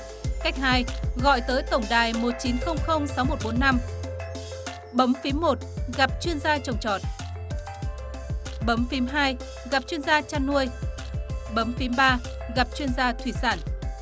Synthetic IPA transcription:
ka˦˥jk̟̚haː˧jɣɔ̰˧˨jt̪əː˨˦jt̪ə˧˩wŋ͡mɗaː˨˩jmo˨˩t̚t͡ɕi˨˦nxə˧wŋ͡mxə˧wŋ͡msa˨˦wmo˨˩t̚ɓo˨˦nːa˧m | ɓə˨˦mfi˨˦mːo˨˩t̚ɣa˨˩p̚t͡ɕwi˧ənzaː˧t͡ɕə˨˩wŋ͡mt͡ɕɔ̰˨˩t̚ | ɓə˨˦mfi˨˦mɦaː˧j | ɣa˨˩p̚t͡ɕwi˧ənzaː˧t͡ɕaː˧nːu˧əj | ɓə˨˦mfi˨˦mɓaː˧ | ɣa˨˩p̚t͡ɕwi˧ənzaː˧t̪ʰwi˧˩saː˧˩n

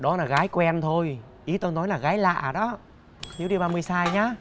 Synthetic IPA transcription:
ɗɔ˨˦laː˨˩ɣaː˨˦jkwɛ˧nt̪ʰo˧j | ʔi˨˦t̪o˧nɔ˨˦jlaː˨˩ɣaː˨˦jla̰ː˧˨˩ɗɔ˨˦ | t̪ʰi˨˦wɗi˧ɓaː˧mɨ˧əjsaː˧jɲaː˨˧˦

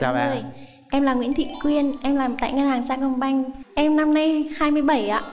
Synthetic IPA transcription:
a˧ə˨˩j | ʔɛ˧mlaː˨˩ŋwḭ˧˥ənt̪ʰḭ˧˨kwi˧ənʔɛ˧mlaː˨˩mt̪a̰ː˧˨jŋə˧nhaː˨˩ŋsaː˧kɔ˧nɓa˧jŋʔɛ˧mna˧mna˧jhaː˧jmɨ˧əjɓə˧˩jʔa̰ː˧˨

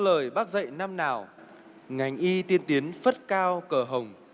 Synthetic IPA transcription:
ləː˨˩jɓaː˦˥k̚zə̰˧˨jna˧mnaː˨˩w | ŋa˨˩jŋ̟ʔi˧t̪i˧ənt̪i˨˦ənfə˦˥t̚kaː˧wkəː˧˩ɦə˨˩wŋ͡m

